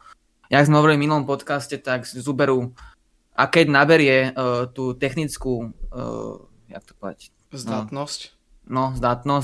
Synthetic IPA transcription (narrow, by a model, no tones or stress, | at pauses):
jaɡzmɛɦɔʋɔɾiliminuɔmpɔt̪kascɛt̪aɡzubɛɾu | ʔakɛɟnabɛɾɪɛt̪uːt̪ɛxnit͡sku | ja̰k̚t̪ɔ̥pɔɔd̪a̰c | zd̪anɔsc | nɔzd̪at̪nɔs